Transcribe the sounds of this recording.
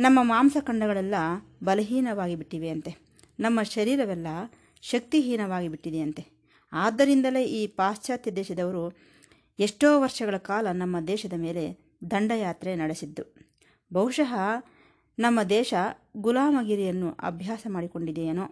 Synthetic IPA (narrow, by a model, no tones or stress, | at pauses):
nɐmːɐmaːmsɐkɐɳɖɐɡɐɭɛlːɐbɐlɐɦiːnɐʋaːɡibiʈːiʋe̞ɐnt̪e̞ | nɐmːɐʃɐɾiːɾɐʋɛlːɐ | ʃɐk̚t̪iɦiːnɐʋaːɡibiʈːid̪eɐnt̪e̞ | aːd̪ːɐɾind̪ɐle̞ʔiːpaːst͡ʃaːt̪jɐd̪ɛːʃɐd̪ɐʋɐɾu | eʂʈoːʋɐɾʂɐɡɐɭɐkaːlɐnɐmːɐd̪ɛːʃɐd̪ɐme̞ːle̞ | d̪ɐɳɖɐjaːt̪ɾenɐɽesid̪ːu | bɐwuʂɐɦɐ | nɐmːɐd̪ɛːʃɐɡulaːmɐɡiɾijɐnːuʔɐ̰bʱjaːsɐmaːɽiko̞ɳɖid̪ejeːnoː